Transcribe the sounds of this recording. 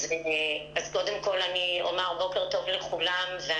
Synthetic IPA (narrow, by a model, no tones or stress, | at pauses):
zeazko̞demko̞lanio̰maʁbo̞ke̞ʁt̪o̞vleχulamvea